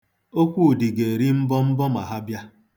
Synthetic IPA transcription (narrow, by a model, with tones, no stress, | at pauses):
o˦kʷu˦˨di˨ɡe˨ɾi˦m̩˦bɔ˦m̩˦bɔ˦ma˨ɦa˦bja˦